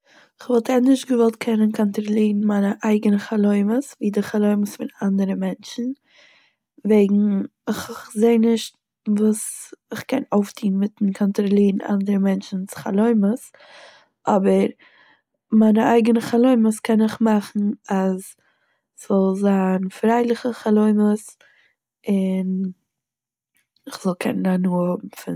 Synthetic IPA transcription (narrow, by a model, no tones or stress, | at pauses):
ɪχvɔlˠtɛnɪʃtɡəvɔlˠt̚kʰɛnənkʰɔntɾɔlˠiːɾn̩maɪnəʔaɪɡənəχalˠoɪməsviːdɪχalˠoɪməsfɪnandəɾəmɛnt͡ʃn̩ | veɪɡŋ̩ | ɪχzeɪnɪʃt | vuːsɪχkɛnoʊftiːnmɪtn̩kʰɔntɾɔlˠiːɾn̩a̰ndəɾəmɛnt͡ʃn̩t͡sχa̰lˠoɪməs | ʔɔbəɾ | maɪnəaɪɡənəχalˠoɪməskʰɛnɪχmaχn̩az | sz̥ɔlˠzaːnfɾaɪlˠɪχəχalˠoɪməs | ɪn | ɪχz̥ɔlˠkʰɛnənanuːhʊbm̩fɪ